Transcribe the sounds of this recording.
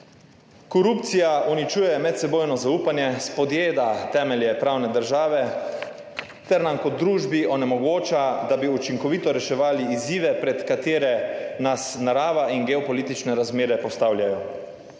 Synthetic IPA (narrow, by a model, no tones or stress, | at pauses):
kɔɾuːp̚t̪sijaʔunit͡ʃuːjɛmɛt̪sɛboːjnɔzauːpanjɛspɔd̪jeːd̪at̪ɛːmɛljɛpɾawnɛd̪əɾʒaːʋɛ | t̪ɛɾnamkɔd̪ːɾuːʒbiʔɔnɛmɔɡoːt͡ʃad̪abiut͡ʃiŋkɔʋit̪ɔɾɛʃɛʋaːliiziːʋɛpɾɛt̪kat̪eːɾɛnasnaɾaːʋaʔinɡɛɔpɔliːt̪it͡ʃnɛɾazmeːɾɛpɔst̪aːwljajɔ